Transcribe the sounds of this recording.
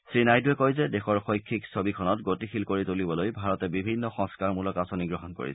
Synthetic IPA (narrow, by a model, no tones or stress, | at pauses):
sɹinajduɛkojzɛdexɔɹxojkʰːiksobikʰɔnɔtɡotixilkoɹitolibɔlojbʱaɹɔtɛbibʱinːɔxɔ̃ŋskaɹmulɔkasoniɡɹɔɦɔnko̰ɹḭsɛ